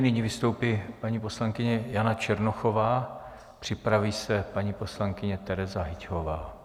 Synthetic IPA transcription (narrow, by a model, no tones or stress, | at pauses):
nɪɲiːvɪst̪o̞wpiːpaɲiːpo̞slaŋkɪɲɛjanat͡ʃɛɾnoxo̞vaː | pr̝̥ɪpɾaviːsɛpaɲiːpo̞slaŋkɪɲɛt̪ɛɾɛzaɦɪcɦovaː